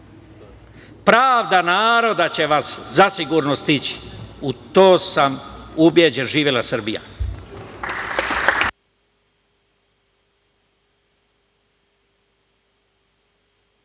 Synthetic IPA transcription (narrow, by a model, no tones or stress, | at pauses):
pɾaːʋd̪anaːɾo̞d̪at͡ɕe̞ʋaszasiɡuɾnost̪it͡ɕi̥ut̪oːsamubjed͡ʑe̞nʒiːʋjelasɨr̩bija̰